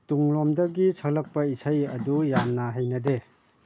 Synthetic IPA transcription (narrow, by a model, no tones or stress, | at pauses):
tuŋlomdɐɡisʰɐklɐk̚pɐisʰajɐ̰dujamnɐɦajnɐde